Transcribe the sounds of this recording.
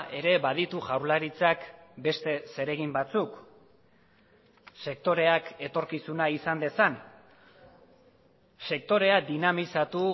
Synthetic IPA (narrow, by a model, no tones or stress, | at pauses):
ʔe̞ɾe̞βað̞it̪uʝawɾlaɾit͡sakbe̞st̪e̞se̞ɾe̞ɣimbat͡suk | se̞k̚t̪o̞ɾe̞ake̞t̪o̞ɾkisunaisand̪e̞san | se̞k̚t̪o̞ɾe̞ad̪inamisat̪u